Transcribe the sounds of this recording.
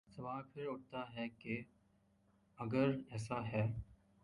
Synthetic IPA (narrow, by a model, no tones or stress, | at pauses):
sɐʋaːlpʰɪɾʊʈ̚t̪aɦɛke | ɐɡəɾɛːsaɦɛː